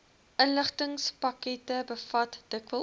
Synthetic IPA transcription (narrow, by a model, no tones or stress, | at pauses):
ʔənləχtəŋspɐkɛtəbəfɐtd̥əkvəl